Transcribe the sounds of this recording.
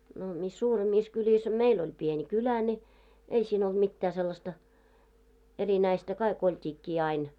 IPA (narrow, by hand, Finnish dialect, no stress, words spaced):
no mis suːremːiːs kylʲis ɑ meil olʲ pieni kylæ nʲi ei siːn old̥ mitːæː selːɑstɑ erinæistæ kɑik oltʲiːkːiː ɑin